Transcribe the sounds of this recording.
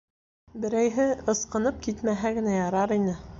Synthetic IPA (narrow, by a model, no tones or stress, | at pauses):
bɘ̆ɾæjɦɘɤ̆sqɤ̆nɤp̚kit̪mæɦæɡɘ̆næjɑɾɑɾinɘ